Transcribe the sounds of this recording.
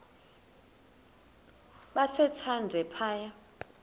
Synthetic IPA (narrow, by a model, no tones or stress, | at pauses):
ɓat͡sʰɛtʰandʱɛpʰaːja